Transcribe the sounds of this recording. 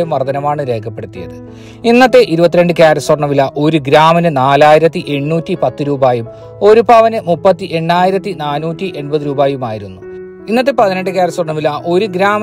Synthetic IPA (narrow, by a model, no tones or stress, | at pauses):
jumʋɐrd̪ɐnɐmaːɳɨɾeːkʰːɐpːe̞ɽut̪ːijɐ̰ðɨ | inːɐt̪ːe̞ʔiɾubɐt̪ːiɾe̞ɳɖɨkjaːɾɐsworɳɐmilːɐʔo̞ɾuɡɾaːmɐnɨnaːlaːjiɾɐt̪ːiʔe̞ɳːuːtːipɐt̪ːɨɾuːbaːjum | o̞ɾubaːʋɐnɨmupːɐt̪ːiʔe̞ɳːaːjiɾɐt̪ːinaːnuːtːiʔe̞ɳbɐðɨɾuːbaːjumaːjiɾunːu | inːɐt̪̬ːe̞pɐðineɳɖɨk̬jaːɾɐsworɳɐmilːɐʔo̞ɾuɡɾaːmɐ